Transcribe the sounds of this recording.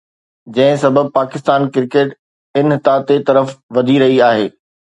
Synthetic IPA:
d͡ʑɐ̃ɦɪ̃sɐbʱəb̚paːkɪst̪aːnkɪɾkeːʈ | ɪnt̪aːt̪et̪ɐɾəfʋɐd̪ʱiɾɐɦiaːɦḛː

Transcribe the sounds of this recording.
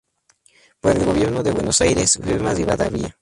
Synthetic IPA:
poɾelɡo̞βje̞ɾnoðeβwenosajɾesweβemazɡiβaða̰βia

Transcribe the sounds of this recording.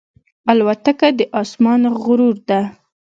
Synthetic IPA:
alwat̪akad̪əʔɑsmɑnɣʊɾuɾd̪a

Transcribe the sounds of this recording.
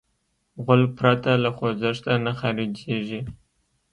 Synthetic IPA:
ʁʊl̚pɾat̪alaχozəʂt̪anaxaɾid͡ʒeʒi

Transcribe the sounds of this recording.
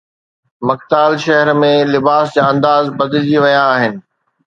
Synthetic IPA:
mɐkt̪aːlʃɐɦəɾmẽlɪbaːsd͡ʑaɐ̃nd̪aːzbɐd̪ɪld͡ʑiʋɐjãːɦɪnɪ̆

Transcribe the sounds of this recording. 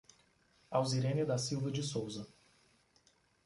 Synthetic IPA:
awziɾẽnɪd̪ɐsiwvɐd͡ʒɪsowzɐ

